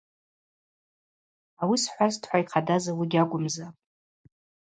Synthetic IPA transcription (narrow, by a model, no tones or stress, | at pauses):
awisħʷaztʰħʷaiqʰadazawiɡʲakʷʼʊmza